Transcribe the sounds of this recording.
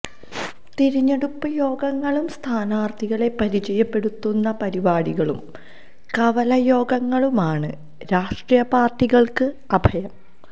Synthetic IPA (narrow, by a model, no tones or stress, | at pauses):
t̪iɾiɲːeɽupːɐjo̞ːɡɐŋːɐɭumst̪ʰaːnaːrt̪ʰiɣɐɭe̞pɐɾid͡ʑɐjɐpːe̞ɽut̪ːunːɐpɐɾibaːɽiɣɐɭṵm | kɐʋɐlɐjo̞ːɡɐŋːɐɭumaːɳɨ | ɾaːʂʈrijɐpaːrʈːiɣɐɭkɨ | ɐbʱɐjɐm